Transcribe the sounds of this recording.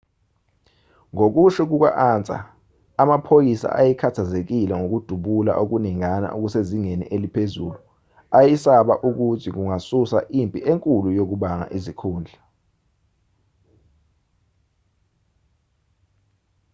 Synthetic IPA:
ŋok̬uʃɛk̬uk̬wa̰ʔant͡sʼa̰ː | mapʰojisa̰ʔajɛkʰatʰazek̬ilɛŋok̬ud̥ʱuɓula̰ʔok̬uniŋana̰ʔok̬useziŋenḭʔelipʰezuːlu | ajisaɓaʔuk̬utʰik̬uŋasusaʔimpʼiʔeŋkʼulujok̬uɓaŋa̰ʔizikʰuːnd͡ɮʱa

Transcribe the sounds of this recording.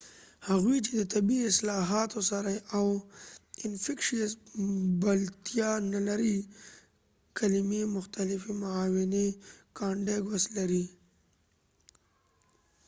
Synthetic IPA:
haɣwit͡ʃed̪ət̪abiɪslɑɦɑt̪osaɾaaw | ɪnfɪkʃiasbalt̪ijɑnalaɾi | kʰalɪmemʊxt̪alɪfimʊaːwɪnekɑɳɖeɡwaslaɾi

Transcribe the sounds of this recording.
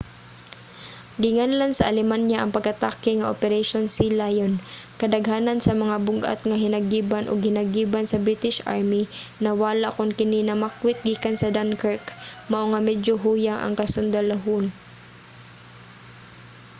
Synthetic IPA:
ɡɪŋanlansɐʔɐlɛmanjaʔɐŋpɐɡ̚kɐt̪akɪŋɐʔopɛɾɛʃonsɪlajon | kɐd̪ɐɡɦaːnɐnsɐmɐŋabʊɡʔa̰t̪̚ŋɐɦɪnɐɡiːbanʔo̰ɡ̚hɪnɐɡiːbansɐbɾit̪ɪʃʔa̰ɹminɐwaːlaʔkʊnkɪninɐmakwɪt̪̚ɡiːkansɐd̪ankɛkmɐʔoŋamɛd͡ʒoɦuːjaŋʔɐ̰ŋkɐsʊnd̪ɐlaɦʊn

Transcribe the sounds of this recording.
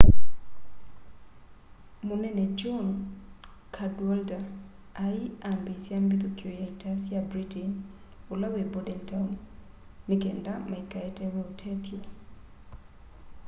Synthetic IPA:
munɛnɛd͡ʒɔn | kʰadwalda | aiambisjambit̪ukjɔjaitasiabɾitin | olawɛbɔdɛntan | nikɛndamaikaɛtɛwɛutʰɛkia

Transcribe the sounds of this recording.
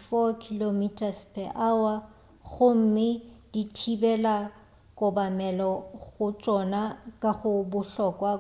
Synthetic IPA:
fɔkʰilomitʰʼaspʰʼɛʔawa | ɣʊm̩mɪd̥itʰibɛla | kʼʊbamɛlɔɣʊt͡sʼɔnakʼaɣʊbʊɬɔkʼwa

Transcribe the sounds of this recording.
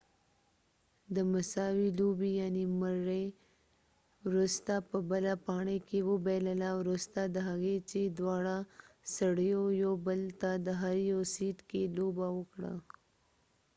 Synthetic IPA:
d̪əmasɑwilobijaniməɾe | wɾust̪apəbəlapɑɳekewəbeləlawɾust̪ad̪əɦaɣet͡ʃed̪wɑɽasaɽəjojobəlt̪ad̪əɦaɾjosiʈkelobawəkɽa̰

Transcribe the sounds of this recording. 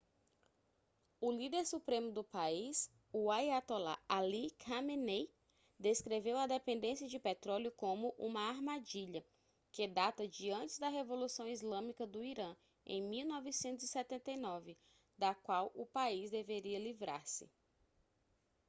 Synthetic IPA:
ʊlid̪eɾsupɾẽmʊd̪ʊpais | uajat̪ola̰alikʰamene | d̪eskɾevewɐd̪epẽnd̪ẽsiɐd͡ʒɪpet̪ɾɔljʊkõmʊʔũmɐaɾmad͡ʒiʎɐ | ked̪at̪ɐd͡ʒiɐ̃nt͡ʃɪzd̪ɐɦevolusɐ̃w̃izlɐ̃mikɐd̪ʊiɾɐ̃ | ḛ̃j̃miwnɔvɪsẽnt̪ʊzisɛt̪ẽnt̪ejnɔvɪ | d̪ɐkwawʊpaizd̪eveɾiɐlivɾa̰ɾsɪ̰

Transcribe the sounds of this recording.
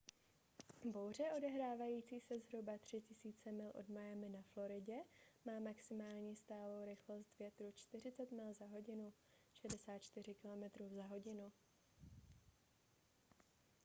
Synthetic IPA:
bo̞wr̝ɛʔo̞dɛɦɾaːvajiːt͡siːsɛzɦɾubat̪r̝̥ɪcɪsiːt͡sɛmɪlʔo̞̰dmajamɪnaflo̞ɾɪɟɛmaːmaksɪmaːlɲiːst̪aːlo̞wɾɪxlo̞st̪vjɛt̪ɾut͡ʃt̪ɪr̝ɪt͡sɛt̪mɪlzaɦo̞ɟɪnu | ʃɛdɛsaːt̪̚t͡ʃt̪ɪrɪkɪlo̞mɛt̪ɾuːzaɦo̞ɟɪnu

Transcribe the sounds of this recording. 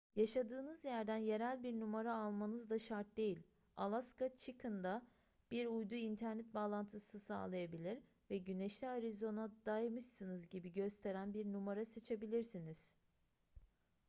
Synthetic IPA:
jaʃad̪ɯːnɯzjæɾd̪ænje̞ɾælʲbiɾnumaɾaːlˠmanɯzd̪aʃaɾt̪̚d̪e̞jilʲ | alˠaskat͡ʃʰikʰɯnd̪a | b̥iɾujd̪uint̪ʰæɾnɛt̪̚baːlˠant̪ʰɯsnɯsa̰ːlˠajabilʲiɾ | vɛɟyneʃlʲiaɾizo̞nad̪ajmɯʃsɯnɯzɟibiɟø̞st̪ʰe̞ɾænbiɾnumaɾase̞t͡ʃʰe̞bilʲiɾsiniz̥

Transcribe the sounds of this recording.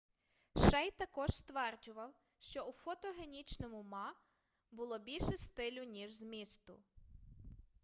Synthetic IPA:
ʃɛjt̪ɐkɔʒst̪ʋɛrd͡ʒʊʋɐw | ʃt͡ʃɔufɔt̪ɔɦenʲit͡ʃnɔmʊmɑ | bʊlˠɔbʲilʲʃɛst̪ɪlʲʊnʲiʒzmʲist̪ʊ̰

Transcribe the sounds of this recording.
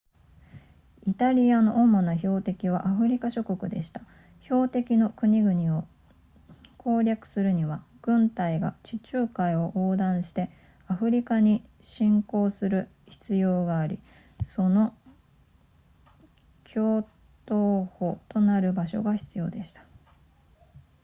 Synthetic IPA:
it̪aɾʲiano̞ʔomːonaço̞ːt̪e̞kʲiβ̞aʔaɸɯ̟ɾʲikaɕo̞ko̞kɯ̟d̪e̞ɕi̥t̪ḁ | ço̞ːt̪e̞kʲino̞kɯ̟ɲ̟iɡɯ̟ɲ̟io | kʰo̞ːɾʲakɯ̟̥sɨɾɯ̟ɲ̟iβaɡ̥ɯ̟̃nt̪aiɡa̰t͡ɕit͡ɕɨːkaio̞ʔoːd̪ãɰ̃ɕi̥t̪e̞ | aɸɯ̟ɾʲikaɲ̟iɕĩŋko̞ːsɨɾɯ̟ | çi̥t͡sɨjo̞ːɡaːɾʲḭ | so̞no̞ | kʲʰo̞ː | t̪oːho̞t̪o̞naɾɯ̟baɕo̞̰ɡaçi̥t͡sɨjo̞̰ːd̪e̞ɕi̥t̪ḁ

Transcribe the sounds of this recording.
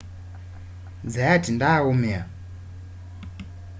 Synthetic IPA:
d͡zajatindaumia

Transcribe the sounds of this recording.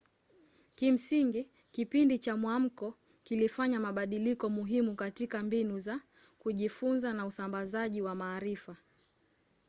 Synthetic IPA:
kim̩siŋɡi | kipindit͡ʃamwam̩kɔkilifaɲamaɓaɗilikɔmuɦimukatikambinuza | kuʄifunzanausambazaʄiwamaːɾifa

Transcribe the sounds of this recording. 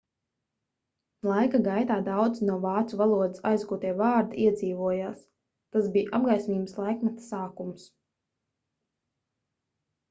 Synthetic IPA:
lˠajkaɡajt̪aːd̪awd̪znuɔvɑːt̪suvalˠuɔd̪isajzɡuːt̪iɛvaːɾd̪iʔiɛd̪ziːvuɔjaːs | t̪asbiːjʔab̚ɡajsʲmʲiːbslˠajkmat̪saːkums

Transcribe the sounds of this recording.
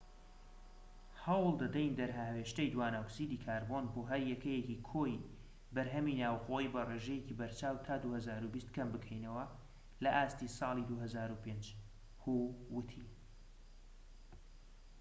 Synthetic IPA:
hɑwlˠd̪ɐd̪ɛjnd̪ɐɾɦahweːʃt̪ejd̪waːnaksiːd̪iːkʰaːɾbo̞nboːɦɐɾjɛkɐjecikʰoːj | bɐɾɦɐminaːwxoibɐreːʒɛjecibɐɾt͡ʃaːwt̪ʰaːd̪uhɐzaːɾubist̪kʰɐmbɨkʰɛjnɐwɐ | lɐʔaːst̪isɑːlˠid̪uɦɐzaːɾupeːnd͡ʒ | huwɨt̪ʰi

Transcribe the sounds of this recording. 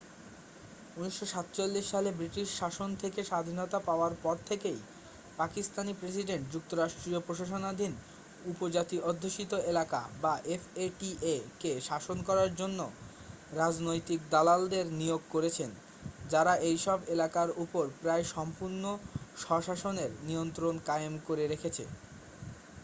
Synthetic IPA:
uniʃːoʃat̪t͡ɕolːiʃːalebɾiʈiʃʃaʃont̪ʰekeʃad̪ʱinot̪apaoaɾpɔɾt̪ʰekej | pakist̪anipɾes̬iɖeɳʈ̚d͡ʑuk̚t̪oɾaʃʈɾiopɾoʃaʃ̬onad̪ʱin | upod͡ʑat̪iʔod̪ʱːoʃit̪oelaka̰baʔefeʈiʔekeʃaʃonkɔɾaɾd͡ʑonːo | ɾad͡ʑnojt̪ik̚d̪alald̪eɾnioɡ̚koɾet͡ɕʰen | d͡ʑaɾaʔejʃɔbelakaɾupoɾpɾaeʃɔmpuɾnoʃɔʃaʃoneɾniont̪ɾonkajemkoɾeɾekʰet͡ɕʰḛ

